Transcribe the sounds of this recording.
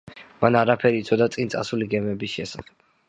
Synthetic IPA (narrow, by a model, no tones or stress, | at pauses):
manaɾapʰɛɾiːt̪sʰɔd̪at̪sʼinsʼa̰suliɡɛmɛbisʃɛsaχɛ̥b̥̚